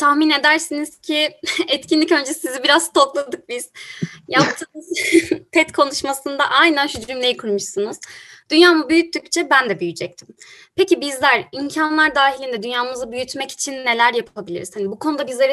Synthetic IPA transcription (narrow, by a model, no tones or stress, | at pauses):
t̪ʰahmine̞d̪æɾsiniz̥cʰiɛt̪cʰinlʲicø̞nd͡ʒɛsizibiɾazt̪ʰo̞klˠad̪ɯk̚biz̥jap̚t̪ʰɯ | pʰɛt̪kʰo̞nuʃmasɯnd̪aʔajnænʃyd̪ɾymlʲejikʰuɾmɯʃsɯnɯz̥d̪̥ynjaːmubyjyt̪ːyct͡ʃʰɛbænd̪ɛbyjyd͡ʒɛc̚t̪ʰim | pʰecibizlʲæɾincʰanlˠaɾd̪aːɦilʲind̪ɛd̪ynjaːmɯzabyjyt̪mɛci̥t͡ʃʰinːe̞lʲæɾjapʰabilʲḭɾiz̥hanibukʰo̞nud̪abizlʲe̞ɾ